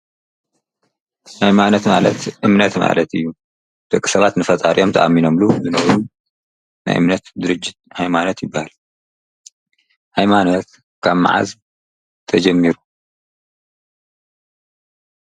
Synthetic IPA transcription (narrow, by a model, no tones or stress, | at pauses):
hajmanot̪ma̰lɐt̪ʔɨmnɐt̪ma̰lɐt̪ɨjːu | d̪̥ɨkʼːi̥sɐβat̪nɨfɐt̪ʼaɾiʔo̞mt̪ʰʔamːinomluzɨnɐβɾu | na̰jʔɨmnɐt̪d̪ɨɾɨd͡ʒːɪt̪̚hajmanot̪jɪbːahal | hajmanot̪ | kʰaβma̰ʕa̰z | t̪ʰɐd͡ʒɐmːiɾu